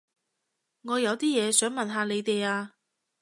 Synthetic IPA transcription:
ŋɔː˨˧jɐ˨˧wt̪iː˥jɛː˨˧sœː˨˥ŋmɐ˨nɦaː˨˧le˨˧jt̪e˨jaː˧

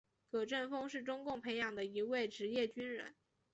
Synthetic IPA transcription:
kɤ˨˩ʈ͡ʂə˥˩nfɤ˥ŋʂɻ̩˥˩ʈ͡ʂʊ˥ŋkʊ˥˩ŋpʰe˧˥ɪjɑ˨˩ŋd̪ə˦i˧˥we˥˩ɪʈ͡ʂɻ̩˧˥jɛ˥˩t͡ɕy˥nɻə̰˧˥n

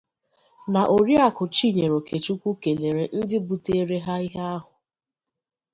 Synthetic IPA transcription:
na˨ʔo˨ɾi˦a˦kʊ˨t͡ʃi˦˨ɲe˨ɾo˨kʰe˨t͡ʃu˦kʷu˦ke˨le˨ɾe˨n̩˦dɪ˦bu˨te˦ɾe˦ɦa˦i˦ɦa˦a˦ɦʊ˨

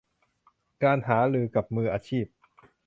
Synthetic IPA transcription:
kaː˧nɦaː˩˦ɾɯː˧ka˨˩p̚mɯː˧ʔaː˧t͡ɕʰiː˥˩p̚

